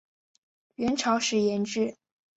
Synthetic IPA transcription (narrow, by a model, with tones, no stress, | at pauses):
ɥɛ˧˥nʈ͡ʂʰɑ˧˥ʊʂɻ̩˧˥jɛ˧˥nʈ͡ʂɻ̩˥˩